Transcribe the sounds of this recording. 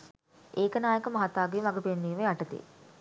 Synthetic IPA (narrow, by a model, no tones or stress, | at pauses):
eːkənaːjəkəmɐɦat̪aːɡiʋaɡəpenːiːʋeaʈət̪ḭ